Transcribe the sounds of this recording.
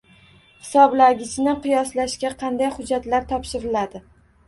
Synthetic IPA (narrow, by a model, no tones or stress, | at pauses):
hɪ̥sɒblaɡʲɪt͡ʃnɪqʰɨjɒslaʃkʲaqʰɑnd̪ajχʊd͡ʒːat̪laɾt̪ʰɒpʃɪɾɪlad̪ɪ